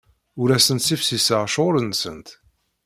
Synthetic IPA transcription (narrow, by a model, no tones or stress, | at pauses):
ʊɾæsənt̪sifsisəʁʃoɾənsə̰nt̪